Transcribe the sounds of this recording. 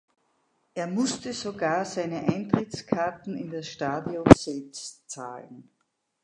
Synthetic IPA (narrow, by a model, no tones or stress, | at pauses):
ʔeːɐmʊstəzoɡaːɐzaɪnəʔaɪntʁ̥ɪtt͡skʰaɐtn̩ɪndasʃtaːdjɔnzɛlpstt͡sa̰ːln